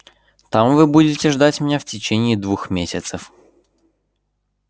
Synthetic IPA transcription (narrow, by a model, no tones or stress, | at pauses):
t̪amvɨbudʲɪtʲɪʐd̪atʲmʲɪnʲaftʲɪt͡ɕenʲɪːd̪vuxmʲesʲɪt̪səf